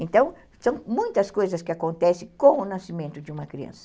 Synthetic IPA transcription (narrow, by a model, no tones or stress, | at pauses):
ẽnt̪ɐ̃w̃ | sɐ̃w̃mũj̃t̪ɐskojzɐskɪakõnt̪ɛsɪ̃kõwʊnasimẽnt̪ʊd͡ʒɪũmɐkɾiɐ̰̃nsɐ̥